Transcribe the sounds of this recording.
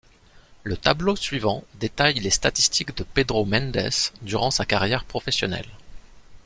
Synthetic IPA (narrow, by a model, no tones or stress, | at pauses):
lət̪ablosɥivɑ̃d̪et̪ajlest̪at̪i̥st̪ʰikd̪əped̪ʁomɛ̃nd̪ɛ̰sd̪yʁɑ̃sakaʁjɛʁpχɔfɛsjɔnɛ̰l